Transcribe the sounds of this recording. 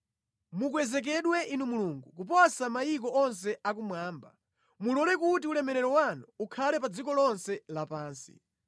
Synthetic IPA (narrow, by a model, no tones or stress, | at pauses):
muk̬wɛzɛk̬ɛɗwɛʔinumuluːŋɡukup̬ɔsamajik̬ɔɔns̬ɛak̬umwaːmba | mulɔlɛkutiulɛmɛɾɛɾɔwanuukʰalɛpad͡zikɔlɔnsɛlapaːnsi̥̰